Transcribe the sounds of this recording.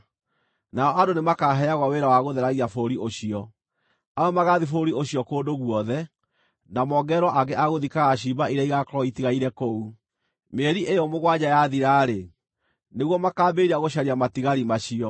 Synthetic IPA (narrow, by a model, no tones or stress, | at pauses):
naɔʔadonemakaɦɛaɣwaweɾawaɣoðɛɾaɣiafoɾiʔoɕiɔ | aɔmaɣaðifoɾioɕiɔkoːndoɣwɔðɛ | namɔɡɛɾwaʔaɡɛʔaɣoðikaɣaɕ̬ibaiɾaiɣakɔɾɔitiɣaiɾɛkou | meːɾiʔejɔmoɣwaɲajaðiɾaːɾe | neɣwɔmakaːbeɾiaɣoɕ̬aɾiamatiɣaɾimaɕiɔ